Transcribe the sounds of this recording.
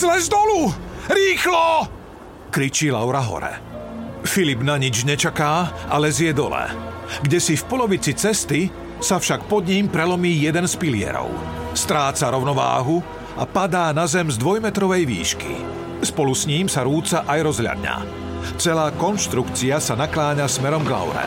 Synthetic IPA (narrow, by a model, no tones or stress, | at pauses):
zlɛzd̪ɔluɾiːxlɔ | kɾit͡ʃilaʊɾaɦɔ̰ɾɛ̰ | filibnaɲid͡ʒɲɛt͡ʃakaːʔalɛzɪjɛd̪ɔ̰lɛ̰ɡɟɛsifpɔlɔʋit͡sit͡sɛst̪i | safʃakpɔd̪ɲiːmpɾɛlɔmiːjɛd̪ɛnspilɪɛ̰ɾɔ̰ʊ | st̪ɾaːt͡saɾɔʊnɔʋa̰ːɦu | a̰pad̪aːnazɛmzd̪ʋɔjmɛt̪ɾɔʋɛjʋḭːʃkḭ | spɔlusɲiːmsaɾuːt͡saʔajɾɔzɦlʎa̰d̪ɲa̰ | t͡sɛlaːkɔnʃt̪ɾukt͡siasanaklaːɲasmɛɾɔmɡla̰ʊɾɛ̰